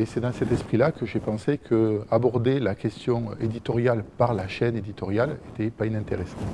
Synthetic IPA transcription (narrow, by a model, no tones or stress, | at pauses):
esɛd̪ɑ̃sɛt̪ɛspχilakəʒepɑ̃sekʰəabɔʁd̪elakʲɛst̪jɔ̃ed̪it̪ɔʁjalpaʁlaʃɛned̪it̪ɔʁjalet̪ɛpainɛ̃nt̪eʁesɑ̃t̪